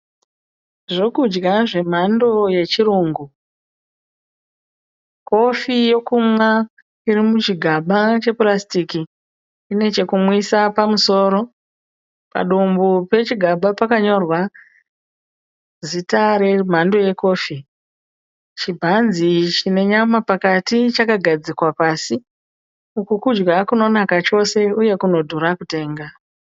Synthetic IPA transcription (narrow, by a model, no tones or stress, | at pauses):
ʐo̞kud͡ʒɡaʐe̞m̤ando̞je̞t͡ʃiɾuːŋɡu | ko̞fijo̞kumwa | iɾimut͡ʃiɡʱaɓat͡ʃe̞plastikiː | ne̞t͡ʃe̞kumwisapamuso̞ːɾo̞ | pa̰ɗombupe̞t͡ʃiɡʱaɓapakaɲo̞rwa | zitaɾe̞m̤ando̞je̞ko̞ːfi | t͡ʃibʱanzit͡ʃine̞ɲamapakatit͡ʃakaɡʱad͡zikwapaːsi | ukukud͡ʒɡakuno̞nakat͡ʃo̞se̞uje̞kuno̞dʱuɾakute̞ːŋɡa